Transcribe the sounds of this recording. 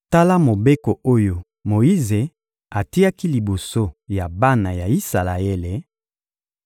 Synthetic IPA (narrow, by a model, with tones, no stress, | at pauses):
ta˦la˦mo˨be˦ko˨o˦jo˨ | mo˨i˦ze˨ | a˨ti˦ja˦ki˦li˨bo˨so˦ja˨ba˦na˨ja˨i˦sa˨la˨e˦le˨